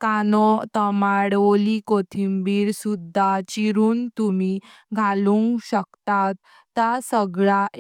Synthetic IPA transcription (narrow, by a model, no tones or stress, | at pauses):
kanɔt̪əmaɽʋolikot̪ʰimbiːɾsud̪ʱːat͡ɕiɾuːnt̪umi | ɡʱalũŋkɕəkt̪at̪ː | asəɡɭa